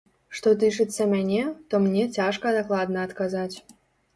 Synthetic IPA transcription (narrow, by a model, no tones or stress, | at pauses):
ʂt̪ot̪̬ɨʂɨt̪t͡sːəmʲanʲet̪omnʲetʲaʂkɐd̪aklˠad̪nɐːt̪kazatʲ